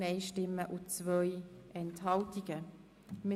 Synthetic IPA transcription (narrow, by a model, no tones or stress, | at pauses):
eɪʃtɪmːəʔut͡svœjʔɛnthɑltiɡ̥ə | m